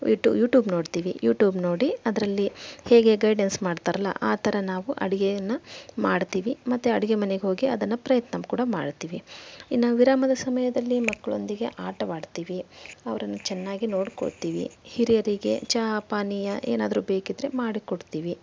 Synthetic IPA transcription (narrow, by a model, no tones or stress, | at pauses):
iʈːṵjuːʈjuːbno̞ːɽt̪iːʋijuːʈjuːbno̞ːɽiɐd̪ɐɾɐlːiheːɡe̞ɡɐjɖensmaːɖt̪aːɾɐlːɐ̰ʔa̰ːt̪ʰɐɾɐnaːʋuʔɐ̰ɽiɡejɐnːɐmaːɽt̪iːʋimɐt̪ːuɐɽiɡemɐneɡeɦo̞ːɡiɐd̪ɐnːɐpɾɐjɐt̪nɐmkuːɽɐma̰ːɖt̪iːʋinaːʋʋiɾaːmɐd̪ɐsɐmɐjɐd̪ɐlːimɐkːɐɭo̞̰nd̪iɡe̞̰ʔaːʈɐmaːɖt̪iːʋiɐʋɐɾɐnːɐt͡ʃɛnːaːɡino̞ːɽko̰ɭt̪iːʋḭhiɾijɐɾiɡe̞̰t͡ʃaːpaːnijɐʔḛːnaːd̪ɐɾuːbeːkid̪ɾe̞maːɽikoɽt̪iːʋi